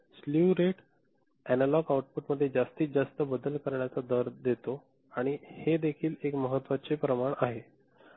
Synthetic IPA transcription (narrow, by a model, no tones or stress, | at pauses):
sluɾeʈ | ænalɔɡawʈ̚puʈməd̪ʱːjed͡zast̪iːt͡sd͡zast̪əbəd̪əlkəɾɳjat͡sad̪əɾd̪et̪o | aɽ̃ihed̪ekʰiːlekməɦət̪ːʋat͡sepɾəmaɳaɦe